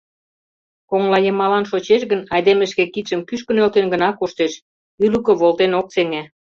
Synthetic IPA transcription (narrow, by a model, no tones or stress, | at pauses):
koŋlɑjemɑlɑnʃot͡ɕeʃ̬ɣənɑjd̪eməʃkekit̪ʃə̆mkyʃkə̆nølt̪enɡə̆nɑkoʃt̪eʃ | ylukə̆βolt̪enok̚seŋe